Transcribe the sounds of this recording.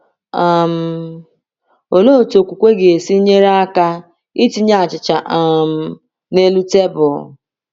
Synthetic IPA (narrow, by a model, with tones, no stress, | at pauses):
a˨m̩˨ | o˨lo˦˨to˨kʷu˨kʷe˦ɡe˨e˨si˦ɲe˦ɾa˦ka˦ | i˦ti˦ɲa˦˨a˨t͡ʃɪ˨t͡ʃa˨ʔa˨m̩˨ | ne˦lu˦te˦bʊ˨